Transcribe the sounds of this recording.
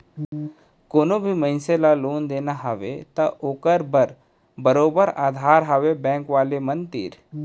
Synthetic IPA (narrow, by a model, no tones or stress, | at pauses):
koːnobʱimɐ̃ɪnselaloːnd̪eːnaɦəʋet̪ɐʔoːkəɾbəɾ | bəɾoːbəɾaːd̪ʱaːɾɦaʋebɛ̃ːŋkʋaːlemənt̪ḭɾ